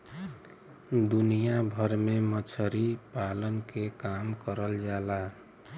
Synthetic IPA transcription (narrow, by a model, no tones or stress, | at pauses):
d̪unijabʱəɾmemət͡ʃʰəɾipalənkekamkəɾəld͡ʒala